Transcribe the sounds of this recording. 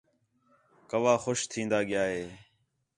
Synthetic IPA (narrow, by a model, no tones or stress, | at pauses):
kəʋaːxoʃt̪ʰĩːnd̪aːɠɪjaːɦeː